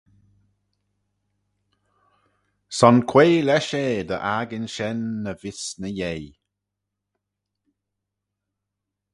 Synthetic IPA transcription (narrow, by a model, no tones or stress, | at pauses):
sɔnkʰweːlɛʃeːd̪əʔaɡənʃɛnːəvɪsnəjej